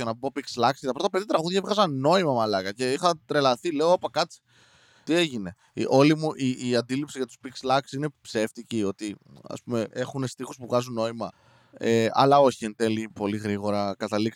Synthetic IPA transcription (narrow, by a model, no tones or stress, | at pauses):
ɐnɐbo̞pikslɐksit̪ɐpɾo̞t̪ɐpe̞ðiɐt̪ɾɐɣuðʝɐevɣɐzɐnno̞imɐmɐlɐkɐce̞ixɐt̪ɾe̞lɐθile̞oopɐkɐt͡si̥ | t̪ie̞ʝine̞ | ʔo̞limuʔiːɐnd̪ilipsiʝɐt̪u̥spikslɐksine̞pse̞ft̪icio̞t̪iɐ̰spume̞ʔe̞xune̞st̪ixuspuvɣɐzunːo̞imɐ | eɐ̰lɐo̞çient̪elipo̞liɣɾiɣo̞ɾɐkɐt̪ɐlik